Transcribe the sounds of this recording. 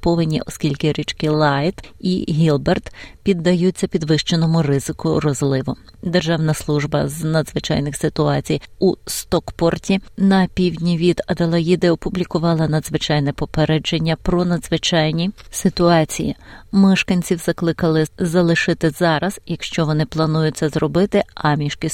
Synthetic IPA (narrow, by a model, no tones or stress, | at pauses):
pɔʋɪnʲːḭʔɔskʲilʲkɪɾʲit͡ʃkɪlˠɑjt̪iɦʲilˠbert̪pʲid̪ːɐjutt͡sʲːɐpʲid̪ʋɪʃt͡ʃenɔmʊrɪzɪkʊɾɔzlˠɪʋʊ | d̪erʒɑwnɐslˠuʒbɐznɐd̪zʋɪt͡ʃɑ̰jnɪxsɪt̪ʊɑt͡sʲijust̪ɔkpɔrtʲinɐpʲiwdʲnʲiʋʲid̪ɐd̪ɐlˠɐjid̪ɛɔpʊblʲikʊʋɑlˠɐnɐd̪zʋɪt͡ʃɑjnɛpɔpeɾɛd͡ʒenʲːɐpɾɔnɐd̪zʋɪt͡ʃɑjnʲisɪt̪ʊɑt͡sʲijḭmɛʃkɐnʲt͡sʲiwzɐklˠɪkɐlˠɪzɐlˠɪʃɪt̪ɪzɑɾɐz̥jɐkʃt͡ʃɔʋɔnɪplˠɐnujʊt͡sʲːɐzrɔbɪt̪ɪɑmʲiʃkʲɪ